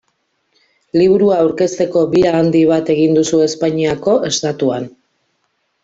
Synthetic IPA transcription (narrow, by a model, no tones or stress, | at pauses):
liβuɾuaːwɾke̞st̪e̞ko̞biɾaːnd̪iβ̞at̪e̞ɣ̞ind̪usue̞spaɲiako̞ʔe̞st̪at̪uan